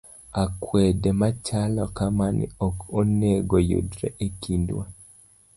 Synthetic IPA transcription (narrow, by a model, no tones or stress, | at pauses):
akwɛdɛmat͡ʃalɔkamanḭɔkoneɡojo̰dɾɛ̰ʔekindwa